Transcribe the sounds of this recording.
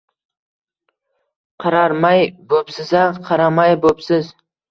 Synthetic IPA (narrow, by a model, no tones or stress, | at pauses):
qʰɑɾɑɾmɑjbɵpsɪzaqʰɑɾamɑjbɵpsɪz